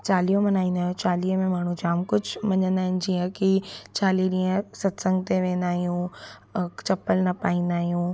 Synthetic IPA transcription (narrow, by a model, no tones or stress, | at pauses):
t͡ɕaːliːõmɐnaːĩːnd̪aːɦijũt͡ɕaːliːɦəmẽmaːɳ̤ũd͡ʑaːmkʊd͡ʑʱmɐɲə̃nd̪aːɦɪnɪ̆d͡ʑiːə̃kit͡ɕaːliɗĩːə̃sɐt̪sə̃ŋɡt̪eʋẽːnd̪aːɦijũ | t͡ɕɐpəlnɐpaːĩːn̆d̪aːɦijũ